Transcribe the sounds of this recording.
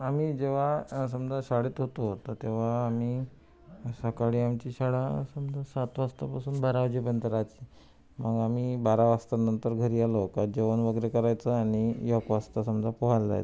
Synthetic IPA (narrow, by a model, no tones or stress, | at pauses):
amiːd͡ʑeʋ̤asəmd͡zʱaɕaɽit̪ɦot̪oot̪ət̪eʋ̤aːmiː | səkaɽiːamt͡ɕiːɕaɽasəmd͡zasat̪ʋast̪apasuːnbaɾaʋd͡ʑipənt̪əɾat͡ɕi̥ | məɡam̤iːbaɾaʋast̪anənt̪əɾɡʱəɾiːaləkad͡ʑeʋənʋəɡəɾekəɾajt͡səaɽ̃ijɔkʋast̪asəmd͡zapɔɦald͡za̰jt͡sə